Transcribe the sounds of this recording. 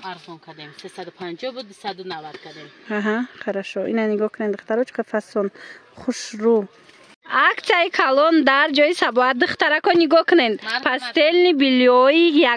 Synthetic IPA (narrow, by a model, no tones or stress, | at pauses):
aɾχɔnkʰad̪emsesad̪upʰand͡ʒɔbud̪d̪usad̪unavad̪̥kʰad̪emaɦaqʰaɾaʃɔʔinaniɡɔhkʰunend̪ɨχt̪ʰaɾɔt͡ʃʰi̥qʰafasɔnχuʃɾu | akt̪sijaikʰalɔnd̪aɾd͡ʒɔisabɔat̪̚d̪ɨχt̪aɾakɔniɡɔkʰunend̪pʰast̪e̞lnibiljɔija